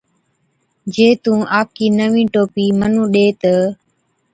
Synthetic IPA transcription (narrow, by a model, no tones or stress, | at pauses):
d͡ʒeːt̪ũːʔaːp̚kiːnəʋĩːʈoːpiːmənũːɗeːt̪ə